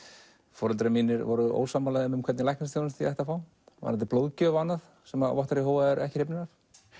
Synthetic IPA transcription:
fɔːɾʏlt̪ɾamiːnɪɾvɔ̰ɾʏʔo̰ːwsamalaðɪʏmkʰɛɾt̪nɪlajhnast̪ʰownast̪iɛjht̪afaːw | a̰ɾant̪ɪploːwðcœːvanːað | sɛmavɔht̪aɾiɦoːwvaðɛɾʔɛ̰hcɪ̥ɾ̥ejpnɪnaɾ̥

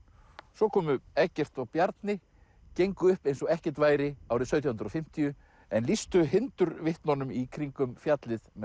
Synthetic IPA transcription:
sɔkʰɔːmʏɛcːɛr̥t̪awpjaɾt̪nɪ | cejŋkʏʏhpejnsɔɣɛhcɛ̥t̪vaːjɾɪawɾɪðsœɥt̪jɔhʏnɾɔfɪm̥t̪ijʏ | ɛnlist̪ʏɦɪnt̪ʏɾvɪht̪nɔnʏmikʰɾiŋkʏmfjat̪lɪðm

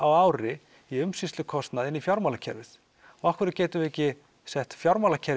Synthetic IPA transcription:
awaːwɾɪ | iʏmsisʏkʰɔst̪naðɪnifjawɾmawlacʰɛ̰ɾvɪθ | ɔahkvʏɾɪɾceːjt̪ʏvɛcːɪ | sɛht̪fjawɾmalacʰɛɾ

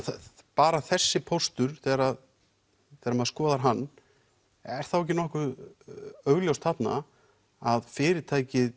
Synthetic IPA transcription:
paːɾaθɛsːɪpʰost̪ʏɾθɛːɾað | θɛːɾamaðskɔːðaɾɦanː | ɛɾ̥θawɛc̬ːɪnɔhkʏ | œɥɣljowst̪ʰapna̰ | aðfɪːɾɪt̪ʰaːjcɪð

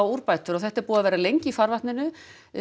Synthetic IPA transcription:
awuɾpajt̪ʏɾaθɛht̪ɛɾpuːavɛːɾalejɲcɪifaɾvat̪nɪnʏ

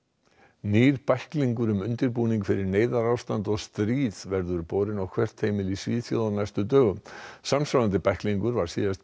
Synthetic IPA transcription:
niːɾpajhkliŋkʏɾʏmʏnt̪ɪɾpuːniŋkfɪɾɪɾneːjðaɾawst̪ant̪ɔɣst̪ɾiːðvɛɾðʏɾpoːwɾɪnɔwkʰvɛr̥t̪heːjmɪlisviːðθjo̰ðanajst̪ʏt̪œːɣʏmsamsalant̪ɪpajhkliŋkʏɾvaɾ̥sḭːðast̪

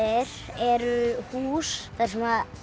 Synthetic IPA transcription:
ɪɾ | ɛɾʏhuːsθḁsɛmað

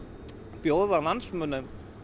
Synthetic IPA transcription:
pjoːwðalansmʏːnːʏ

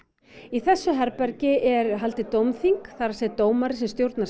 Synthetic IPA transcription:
iθɛsːʏɦɛɾpɛɾcɪɛɾɦalt̪ɪt̪owmθiŋkθaɾasɛt̪oːwmaɾɪsɛmst̪jowɾt̪na

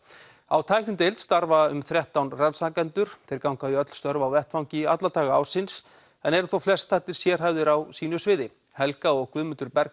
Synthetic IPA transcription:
awt̪ʰajknɪmt̪ejlt̪st̪aɾvaʏmθɾjɛht̪awnransaːkɛnt̪ʏɾ̥t̪ʰɪɾkawŋkaðiœt̪l̥st̪œɾvawvɛht̪faw̃ŋɲcɪat̪lat̪ʰaːɣaa̰wsɪns | ɛnɛɾθowflɛst̪θaht̪ɪɾ̥sjɛr̥ɦajvðɪɾawsiːnʏsvɪːðɪ | hɛlkaɔɣkvʏːðmʏnt̪ʏɾpɛɾ

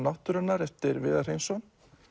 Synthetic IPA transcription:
naht̪ʏɾanːaɾɛft̪ɪɾvɪːðar̥ejnsɔn

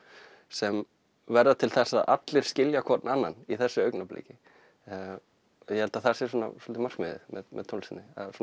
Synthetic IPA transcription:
sɛm | vɛɾðat̪ʰɪlθɛsaða̰t̪lɪɾ̥scɪljakʰɔt̪nanːa̰niθɛsːʏœɥknaplḛːcɪ | jɛhɛlt̪aθasɛɾsuːna̰sɔlt̪ɪmar̥kmɪðɪ̰mɛ̰ðmɛ̰ðt̪ʰowlsɪnːɪasun

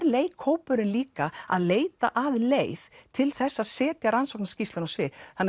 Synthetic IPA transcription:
ɾleːjkʰoːwpʏɾɪnliːkaa̰ðleːjt̪aʔavleːjðt̪ʰɪlθɛsːaðsɛːt̪jaɾansowknascist̪ʏnasvɪθanː

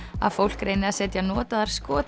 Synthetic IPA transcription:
a̰ðfowl̥kɾejnɪasɛːt̪janɔːt̪aðaɾ̥skɔːt̪

